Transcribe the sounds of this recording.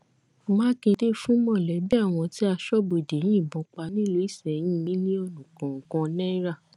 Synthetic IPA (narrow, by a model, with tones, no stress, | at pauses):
mãː˦kẽ˧de˦fũ˦mɔ̃˦˨lɛ˨˦bi˦a˦˨w̃ɔ̃˧ti˦a˧ʃɔ˦bo˨de˨˦j̃ĩ˦˨bɔ̃˨˦k͡pa˧nĩ˦lo˧˦i˦˨sɛ˨j̃ĩ˦ĩ˦nĩ˦ɔ˦˧˨nũ˨kɔ̃˨kɔ̃˧nɛ̃˦ɾa˦˨